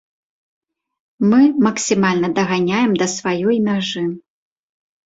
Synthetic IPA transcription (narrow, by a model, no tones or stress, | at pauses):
mɨmɐksʲimalʲnɐd̪ɐɣanʲajɛmd̪ɐsvajɔjmʲaʐɨ